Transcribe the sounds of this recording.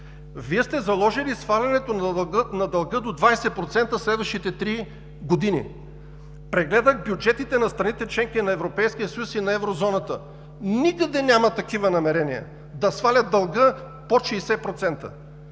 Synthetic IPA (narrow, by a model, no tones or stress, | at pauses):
viɛst̪ɛzɐlˠɔʒilisfalʲɐnɛt̪onɐd̪ɐlˠɡɤd̪od̪vajsɛpɾot̪sɛnt̪əslɛd̪vəʃit̪ɛt̪ɾi | ɡod̪inḭ | pɾɛɡlɛd̪əxbʲjud͡ʒɛt̪it̪ɛnɐst̪ɾɐnit̪ɛt͡ʃlɛŋkinɐɛvɾopɛjsk̟ijəsɐjusinɐɛvɾozɔnɐt̪ə | nikəd̪ɛnʲjamɐt̪ɐkivənɐmɛɾɛnijɐ̰ | d̪ɐsfalʲɐt̪̚d̪ɐlˠɡɤ | poʃɛjsɛpɾot̪sɛnt̪ə̰